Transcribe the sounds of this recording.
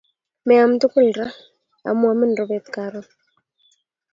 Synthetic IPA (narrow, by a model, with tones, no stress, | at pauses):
mɛ˨a˨m̩˨t̪u˦ku˦lɾa˦ | a̰˨mu˦a˨mi˦nrɔ˨βɛt̪ka˨ɾɔ˦